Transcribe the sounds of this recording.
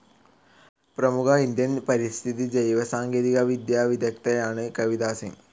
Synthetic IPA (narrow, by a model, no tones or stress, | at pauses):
prɐmukʰɐind̪jɐnpɐɾist̪ʰiðid͡ʒejʋɐsaːŋɡeːðiɣɐʋid̪jaːʋid̪jɐkt̪ɐjaːɳɨkɐʋid̪aːsḭm